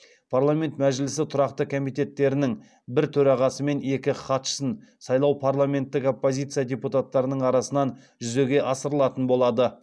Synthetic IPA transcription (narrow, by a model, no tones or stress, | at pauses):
pʰarlˠamʲe̞nt̪mæʒɪlɪsɪt̪ʰʊɾɑqt̪əkʰo̞mijt̪ʲe̞t̪ːe̞ɾɪnɪŋ | bɪɾt̪ʰɵɾɑʁɑsəme̞ne̞kʲɪχɑt̪ʃə̥sənsɑjlˠɑwpʰaɾlˠame̞nt̪ːɪko̞pːo̞zʲijt̪sɨjadʲeput̪at̪ːɑɾənəɴɑɾɑsənɑn | ʒʏze̞ɡʲe̞ʔɑsəɾəlˠɑt̪ənbo̞lˠɑd̪ə